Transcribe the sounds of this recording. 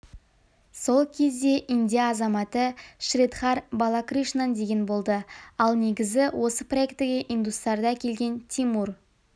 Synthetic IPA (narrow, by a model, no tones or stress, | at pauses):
so̞lˠkʲʰe̞zd̪e̞ʔind̪ijaːzɑmɑt̪əʃrit̪χɑɾbalˠakriʃnand̪e̞ɡʲenbo̞lˠd̪əɑlˠne̞ɡʲɪzɪwʔo̞səpro̞e̞kt̪ɪɡʲeʔind̪ust̪ɑɾd̪ɑkʲʰe̞lɡʲe̞nt̪ʰimur